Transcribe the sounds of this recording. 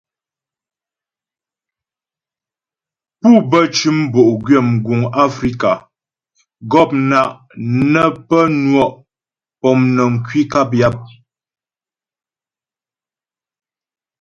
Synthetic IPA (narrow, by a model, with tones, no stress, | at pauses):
pu˦˨bə˦t͡ʃʉ˦m˦bo˨ʔɡɥɛ˦˨mɡu˨ŋa˦fɾi˦ka˨ | ɡɔ˦˨p̚na˨ʔ | nə˦pə˦nwɔ˦˨ʔ | pɔ˨mnə˨ŋ̩˨kɥi˦ka˦p̬ja˦p̚